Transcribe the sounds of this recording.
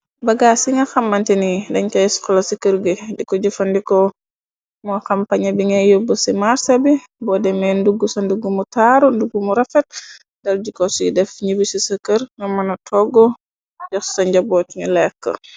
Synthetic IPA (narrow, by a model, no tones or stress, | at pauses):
bɐɡasiŋɡɐxɐmːɐntinidɐɲkɛjskɔlɐsikəɾɡedikɔɟufɐndikɔ | mɔxɐmpaɲɐbiŋɐjobːəsimaɾsɐbi | bɔdɛmɛnduɡːusɐnduɡumutaɾunduɡumuɾɐfɛt̚ | dɐldikɔsidɛfɲibisisəkəɾŋɐmɐnɐtʰɔɡɔ | jɐxsɐɲɟɐbɔːtɲulɛkːə̰